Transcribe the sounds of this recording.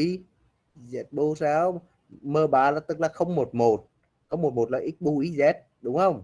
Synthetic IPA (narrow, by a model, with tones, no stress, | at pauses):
i˨˦ | zɛ˨˦˥t̚ɓo˧˦saː˨˦w | məː˧ɓaː˧˨˩laː˨˩t̪ɨ˦˥k̚laː˨˩xə˧wŋ͡mmo˨˩t̚mo˨˩t̚ | xə˧wŋ͡mmo˨˩t̚mo˨˩t̚laː˨˩ʔi˦˥t̚ɓu˧ʔi˨˦zɛ˦˥t̚ | ɗʊ˨˦wŋ͡mxə˧wŋ͡m